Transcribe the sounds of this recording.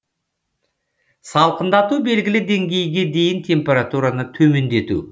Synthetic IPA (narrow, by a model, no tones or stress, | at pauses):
sɑlˠqənd̪ɑt̪ube̞lɡʲɪlɪd̪e̞ŋɡʲe̞jɡʲe̞d̪e̞jɪnt̪ʰe̞mpʲe̞ɾat̪uɾanət̪ʰɵme̞nd̪e̞t̪ṵ